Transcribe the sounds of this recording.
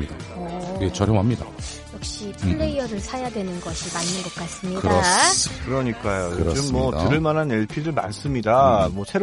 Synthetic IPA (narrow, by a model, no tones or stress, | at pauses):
idaoiɡet͡ɕʌɾjʌŋɦamɲida̰ | jʌk̚ɕ͈ipʰɭːe̞iʌɾɯɭsʰajadwe̞nɯnɡʌɕʰimanːɯnɡʌk͈as͈ɯmɲidɯɾʌkɯɾʌɲik͈ajojoɾd͡ʑɯmːwʌtɯɾɯɭmanɦane̞ɭpʰiɾɯɭma̰ns͈ɯmɲidamwʌsʰe̞ɾ